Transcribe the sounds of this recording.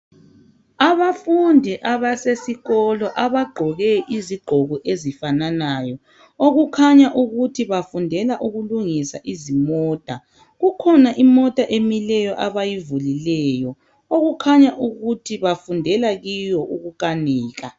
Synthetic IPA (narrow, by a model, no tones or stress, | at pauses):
aβafundʱiʔaβasesiɣɔlɔʔaβaɡ͡ǃʱɔɣɛʔiziɡ͡ǃʱɔɣɔʔezifananajɔ | oɣukʰaɲaʔuɣutʰiβafundʱɛlaʔuɣuluŋisa̰ʔizimɔːtʼa | ɣukʰɔnaʔimɔtʼaʔemilɛjɔʔaβajivulilɛːjɔ | oɣukʰaɲaʔuɣutʰiβafundʱɛlaɣijɔʔuɣuɣaniːɣa